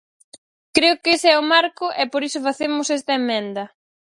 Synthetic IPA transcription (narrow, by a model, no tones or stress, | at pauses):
kɾeʊkesɛʊmaɾkʊʔɛpoɾisʊfaθemʊsɛst̪ɐemːɛ̃nd̪ɐ